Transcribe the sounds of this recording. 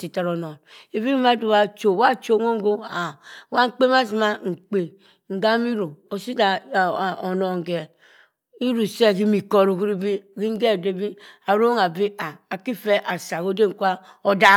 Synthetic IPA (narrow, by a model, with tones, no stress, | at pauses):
si˨ta˨ɾo˨no˨ne˨bi˦ma˦du˨wa˨t͡ʃo˨˦wa˦t͡ʃo˨˦ŋo˦ŋ˦ɡo˦a˨wa˦ŋ̩˦k͡pe˦ma˦s̬i˨ma˦ŋ̩˨k͡pe˨ | ŋ̩˨ɡa˦mi˦ɾo˨o˨si˦da˨ | o˨no˨ŋ˨ɡe˨ | i˦ɾu˨se˦˨ki˦mi˨ko˦ɾu˨ki˦ɾi˦bi˦ki˦ŋ˦ɡe˦˨de˨˦bi˦a˨ɾo˦ŋa˨bi˦a˨a˨ki˦fe˦ʔa˨sa˨ko˦de˦ŋ̩˨kʷa˦ | o˦da˦